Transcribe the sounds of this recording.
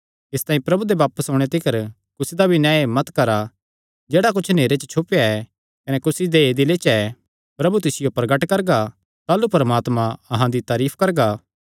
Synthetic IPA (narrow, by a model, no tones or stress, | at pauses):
ɪst̪ãːĩpɾɐbud̪ebaːpəsɦõːɽ̃et̪ɪkɐɾ | kʊsid̪abʱinɛ̃ːemɐt̪kɐɾa | d͡ʒeːɽak̬ʊt͡ʃʰneːɾet͡ʃət͡ʃʰʊpejaɛ | kɐnɛkʊsid̪eeːd̪ɪlet͡ʃɛ | pɾɐbut̪̬ɪsɪjopɾɐɡəʈkɐɾɡa | t̪aːlupɐɾəmaːt̪mãɐɦãd̪it̪aːɾiːpʰkɐɾɡaː